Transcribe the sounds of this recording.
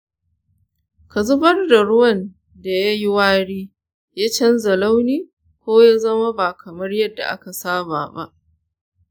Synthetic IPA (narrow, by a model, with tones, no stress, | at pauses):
ka˨zʊ˦bɐ˦rda˨ɽʊ˦wɐ˦n | da˨ja˦jɪ˦waː˦ɽiː˦ | jaː˦t͡ʃɐ˦nzɐ˨la˦wniː˦ | kʷoː˦ja˦zɐ˦ma˦baː˨kʰɐ˨mɐ˦rjɐ˦dːa̰˨ʔa̰˦ka˨saː˦ba̰ː˨ba̰˦ʔ